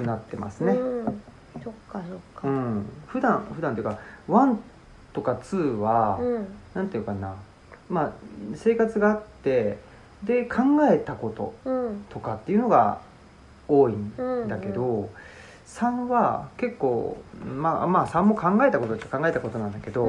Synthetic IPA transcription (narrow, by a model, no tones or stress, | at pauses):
kɯ̟nat̪ːe̞ma̰sɨne̞ | ooɯ̟̃ɴɸɯ̟d̪ãɸɯ̟d̪ãnt̪ojɯ̟kaβãn | t̪o̞kat͡sɨːβa | nãnt̪eɯkana | mase̞ːkat͡sɨɡaːt̪ːe̞ | d̪e̞kʰãŋɡae̞t̪ako̞t̪o̞̰t̪o̞kat̪ːe̞iɯ̟no̞ɡa̰ | o̞ːĩnd̪akke̞d̪o̞ | sãɰ̃βake̞kːo̞ːma̰maːsãmːo̞kʰãŋɡae̞t̪ako̞t̪ot̪ːkːkãŋɡae̞t̪ako̞t̪o̞nãnd̪ake̞d̪o̞